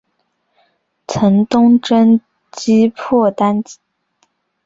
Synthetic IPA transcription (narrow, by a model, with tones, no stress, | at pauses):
t͡sʰə˧˥ŋt̪ʊ˥ŋʈ͡ʂə˥n | t͡ɕi˥pʰɔ˥˩t̪a˥nt͡ɕi̥˧˥˦